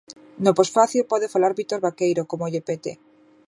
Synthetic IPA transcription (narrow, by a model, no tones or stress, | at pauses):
noposfaθilpɔðefalaɾβit̪oɾβakejɾokomoʎepet̪ḛ